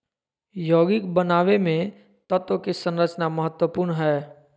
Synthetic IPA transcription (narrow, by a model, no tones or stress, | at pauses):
joːɡɪkbənaːʋemẽ | t̪ət̪okesə̃nɾət͡ʃnaməɦət̪wəpʊːɾɳɦɛː